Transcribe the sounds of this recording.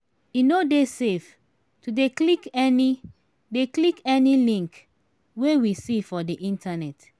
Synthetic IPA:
inodesef | tudeklikɛni | deklikɛnilĩŋk | wewisifɔdiʔĩntʰanɛt

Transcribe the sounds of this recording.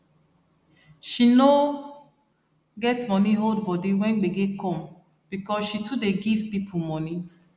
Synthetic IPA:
ʃino | ɡɛtmɔ̃niɦold̚bɔdiwɛ̃nɡ͡beɡekʰɔ̃m | b̥ikɔsʃitʰudeɡivpipʰumɔ̃ni

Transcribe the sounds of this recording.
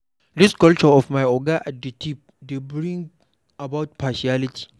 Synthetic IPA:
dɪskɐlt͡ʃɔɔfmajʔɔɡaʔadɐtip̚ | debɾĩŋɡ | abawt̚paːʃialɪtʰi̥

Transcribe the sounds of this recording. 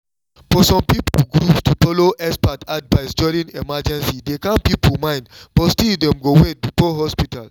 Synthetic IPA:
fɔsɔ̃mpipolɡɾupstufɔloʔɛspatadvaɪsd͡ʒɔɾĩnemad͡ʒɛ̃nsidekãnpipomãɪ̃ndb̥ɔtstildɛ̃mɡowet̚bifɔɦɔspita̰l

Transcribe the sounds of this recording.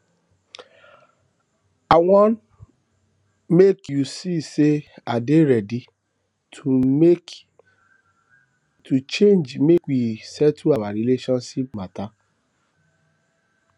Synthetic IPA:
awɔ̃n | mekjusiseadeɾɛdi | tut͡ʃẽnd͡ʒmekwisɛtuawaɾileʃɔ̃nʃip̚mata

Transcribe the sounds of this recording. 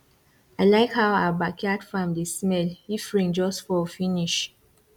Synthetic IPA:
aɪlaɪkhawa̰bakʰadfãmdismɛlifɹĩŋd͡ʒɔstfɔfiniʃ

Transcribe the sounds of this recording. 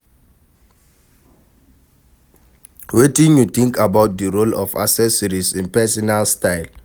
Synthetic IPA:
wetĩnjut̪ĩŋkʰabaʊt̚dəɹolɔ̰fa̰sɛsɔɹisĩnpɛsɔnalstaɪl

